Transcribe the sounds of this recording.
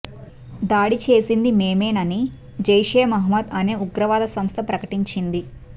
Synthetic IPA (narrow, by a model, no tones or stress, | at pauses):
d̪aːɽit͡ʃe̞ːsind̪ime̞ːmeːnɐni | d͡ʒɐjʂɛːjɐmɐɦmɐd̪ɐne̞ːuɡɾɐʋaːd̪ɐsɐmst̪ʰɐpɾɐkɐʈiɲt͡ʃind̪i